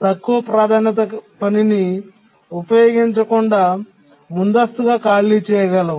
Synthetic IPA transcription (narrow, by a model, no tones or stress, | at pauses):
t̪ɐkːuʋɐpɾaːd̪ʱaːnɐt̪ɐpɐnini | upɐjoːɡiɲt͡ʃɐkuɳɖaː | mund̪ɐst̪uɡaːkaːlit͡ʃɛːjɐɡɐlɐ